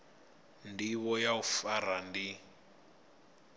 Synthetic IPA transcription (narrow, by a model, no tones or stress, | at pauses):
ndiβɔjaufarandi